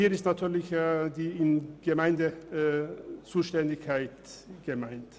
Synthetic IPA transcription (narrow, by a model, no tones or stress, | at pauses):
iːɐɪstnatʰyːɐlɪçdiːɪnɡ̥əmaɪndə | t͡suːʃtɛndɪçkʰaɪtɡ̥əmaɪnt